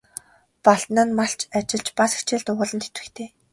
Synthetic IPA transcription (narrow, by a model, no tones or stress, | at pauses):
paɮt̪nə̆nmaɬt͡ɕʰat͡ɕɪ̆ɮt͡ɕpasi̥xt͡ɕeːɮt̪ʊʁʊːɮə̆nt̪ʰe̥t̪ɘ̆xt̪ʰeː